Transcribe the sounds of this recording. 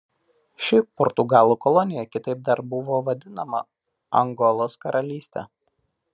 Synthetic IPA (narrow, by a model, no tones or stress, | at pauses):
ʃʲɪpɔɾt̪ʊɡɑːlˠuːkɔlˠɔnʲɪjɛkʲɪt̪ɐɪp̚d̪ɐɾbʊʋoːʋɐd̪ʲɪnɐmɐ̰ | ɐŋɡɔlˠoːskɐɾʔɐlʲiːsʲt̪ʲɛ̰